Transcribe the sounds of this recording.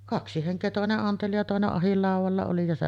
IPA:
kɑksi heŋkˑeː toˑeneʔ ʔɑnteli jɑ toˑeneʔ ʔɑhilːɑˑuʋɑlːɑ oli jɑ se

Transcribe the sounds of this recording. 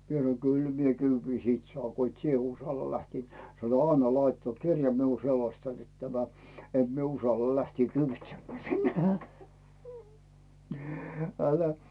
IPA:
mie sɑ̆no kyl mie kyːʋːi siːt sŏɑːŋ ko it sie usɑlːɑ læhtiː sɑno ɑnːɑ lɑitːɑː m̆ut kirjɑ miul net selostɑn net tæmæ et mie usɑlːɑ læhtiː kyːʋitsemːæː sinːe̥ ælæ

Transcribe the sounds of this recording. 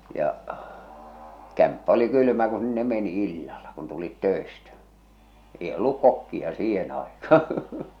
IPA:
jɑ kæmpːæ oli kyly̆mæ ku sinːe meni ilːɑlɑ kun tulit tøˑestæ eˑi olːuk kokːiɑ siːhen ɑˑekɑː

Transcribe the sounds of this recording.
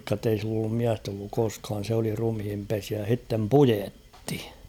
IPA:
tːei silː olːum miæst olːuk koskɑːn̞ sĕ oli rumhimpesiæ jɑ h̞itːem pujetːi

